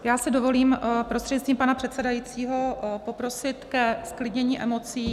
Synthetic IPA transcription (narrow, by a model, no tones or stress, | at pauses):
jaːsɪdo̞vo̞liːmpɾost̪r̥eɛɲst̪iːmpanapr̝̥ɛt̪sɛdajiːt͡siːɦopo̞pɾo̞sɪt̪kɛsklɪdɲɛɲiːʔɛ̰mo̞t͡siː